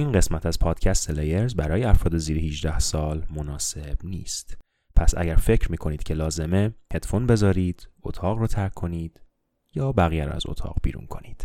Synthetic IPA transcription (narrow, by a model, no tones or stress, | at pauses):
ʔiːnɢe̞smæt̪ʰæzpʰɒːd̪̥cʰæst̪elejeɾzbæɾɒːjeæfɾɒːd̪e̞ziːɾehiʒd̪æhsɒːlmo̞nɒːse̞b̥nḭːst̪ | pʰæsʔæ̰ɟæɾfe̞cʰɾmiːkʰo̞niːd̪̥cʰe̞lɒːze̞me̞hed̪fonbe̞zɒːɾiːd̪̥ot̪ʰɒːɣrɔːt̪ʰæɾkʰːo̞niːd̪̥ | jɒːbæɣijæɾɔ̰æ̰zo̰t̪ʰɒ̰ːɣbḭːɾṵnkʰo̞niːd̪̥